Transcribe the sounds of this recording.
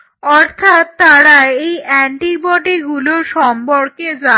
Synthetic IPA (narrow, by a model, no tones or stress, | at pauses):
ɔɾt̪ʰat̪ːaɽaeejʔɛɳʈibɔɖiɡuloʃɔmpoɾked͡ʑa